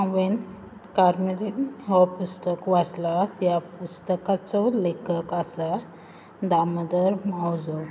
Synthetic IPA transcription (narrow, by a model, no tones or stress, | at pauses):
ãʋen | kaɾmiliɦɔpust̪əkʋaslatjapust̪əkat͡sɔlekəkasa | d̪aməd̪əɾmawd͡zɔ